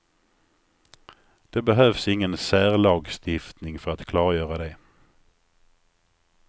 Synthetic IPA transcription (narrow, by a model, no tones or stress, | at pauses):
d̪̥ɛbɛɦøːvsɪŋːənsæːʁlɑːɡst̪ɪft̪nɪŋfœɾat̪kʰlɑːɾjœːɾad̪ɛ